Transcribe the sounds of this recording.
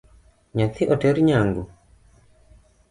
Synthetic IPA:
ɲaθiʔɔtɛɾiɲaŋɡu

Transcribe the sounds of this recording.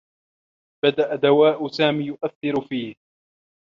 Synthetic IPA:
b̥ad̪aʔad̪awaːʔʊsaːmiːjʊʔaθːɪɾʊfiːh

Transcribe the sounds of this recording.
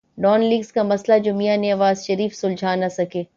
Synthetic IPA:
ɖɔːnliːɡzkamɐslad͡ʒʊmijaneɐʋaːzʃɐɾiːfsʊld͡ʒʱaːnɐsɐkʰeː

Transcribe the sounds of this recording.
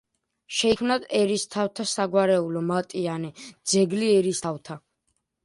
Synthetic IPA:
ʃɛikʰmnad̪ɛɾist̪ʰaft̪ʰasaɡwaɾɛulɔmat̪ʼianid̪z̥ɛɡliɛɾist̪ʰaft̪ʰa

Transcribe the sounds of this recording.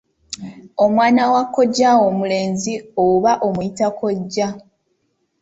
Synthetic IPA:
o̞mwaːnawakːo̞ɟːawomule̞ːnzioβaʔomujitako̞ɟːa

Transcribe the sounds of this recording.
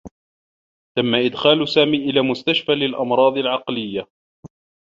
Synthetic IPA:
t̪amːaʔɪd̪xaːlsaːmiːʔɪlaːmʊst̪aʃfaːlɪlʔɑmɾˤɑːd̪ˤɪlʕɑqlɪjːa

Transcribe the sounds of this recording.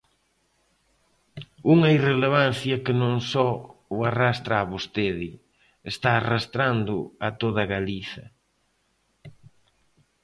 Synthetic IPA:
uŋɐireleβ̞an̟θjɐkɪnõŋsɔʊarast̪ɾaːβost̪eðɪ | est̪aːrast̪ɾand̪ʊɐt̪oðɐɣaliθɐ̰

